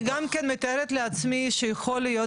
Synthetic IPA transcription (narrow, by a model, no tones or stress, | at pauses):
ɡamkenmet̪aeɾet̪leat͡smiʃejaxolːijo